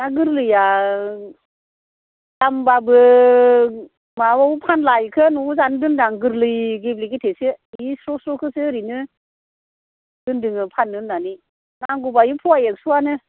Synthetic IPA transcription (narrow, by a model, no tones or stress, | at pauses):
naɡɯɾlɯja | dambabɯ | mawawpʰanlajkʰɯnuzandɯndaŋɡɯɾlɯjɡebliɡetʰesɯsɾɔsɾɔkʰɯsɯɾinɯ | d̥ɯndɯŋɯpʰanːɯnnani | naŋɡubajupʰuajek̚suanɯ